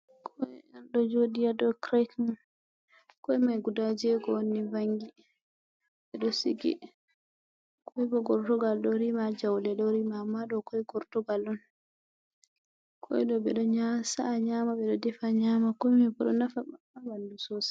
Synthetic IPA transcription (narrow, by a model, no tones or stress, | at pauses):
kʰɔɛanɗɔd͡ʒodijadɔkɾatn | kɔɛmajɡudad͡ʒɛɡɔwonːivaŋɡi | ɓɛɗɔsiɡḭ | kʰɔɛbɔɡɔɾtɔɡalɗɔɾimad͡ʒawlɛɗɔɾimaːmːaɗɔkɔɛɡɔɾtɔɡalɗɔn | kʰɔ̰ɛɗɔɓɛɗɔɲasaːɲamaɓɛɗɔdɛfaɲamakɔjmabɔɗɔnafaa | awandusɔsḁ